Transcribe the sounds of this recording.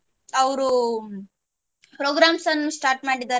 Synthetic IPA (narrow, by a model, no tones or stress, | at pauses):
ɐʋɾu | pɾoːɡɾaːmsɐnːusʈaːɾʈmaːɽid̪aː